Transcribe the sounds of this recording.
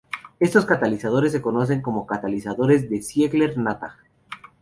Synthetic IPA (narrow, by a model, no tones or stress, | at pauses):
e̞st̪o̞skat̪alisað̞o̞ɾe̞s̬ːe̞ko̞no̞s̬e̞ŋko̞mo̞kat̪alisaðo̞ɾe̞zðe̞sjeɣle̞ɾnat̪a̰